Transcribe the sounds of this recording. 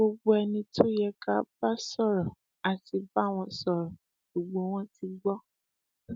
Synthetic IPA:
o˧ɡ͡bo˦ɛ˧nĩ˧tʰo˦jɛ˧ka˦ba˦sɔ˦˨ɾɔ̃˨ | a˨ti˧ba˦˨w̃ɔ̃˧sɔ˨ɾɔ̃˨ | ɡ͡bo˨ɡ͡bo˧˦w̃ɔ̃˦ti˧ɡ͡bɔ˦

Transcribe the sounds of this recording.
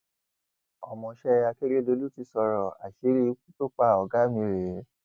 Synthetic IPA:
ɔ˨mɔ̃˧ʃɛ˦˧a˧ke˦ɾe˦do˨˦lu˦ti˨˧˦sɔ˧ɾɔ˨a˨ʃe˨˦ɾi˦kũ˦to˦k͡pa˦˨ɔ˨ɡa˦mĩ˧˨ɾe˨˦

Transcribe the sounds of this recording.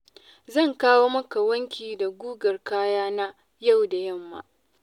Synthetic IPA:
zɐ˦˨ŋkaː˦woː˦mɐ˦ka˨wɐ˦ŋkʲiː˨da˨ɡʷuː˦ɡɐ˨rkaː˦jaː˦na˦ | ja˦˨wda˨jɐ˦˨mːa̰ː˦ʔ

